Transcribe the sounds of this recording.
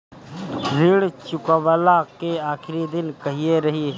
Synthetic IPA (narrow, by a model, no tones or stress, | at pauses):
ɾiːɽt͡ʃʊkəʋəlakeaːkʰɪɾid̪ɪnkɐɦieɾɐɦi